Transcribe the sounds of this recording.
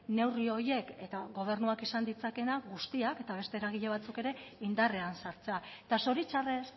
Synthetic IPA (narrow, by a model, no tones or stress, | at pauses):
ne̞wrio̞je̞ke̞t̪aɣo̞β̞e̞ɾnuakisand̪it͡sake̞naɣust̪iake̞t̪aβ̞e̞st̪e̞ɾaɣ̞iʎeβ̞at͡suke̞ɾe̞ind̪are̞ansaɾt͡seaet̪aso̞ɾit͡ʃares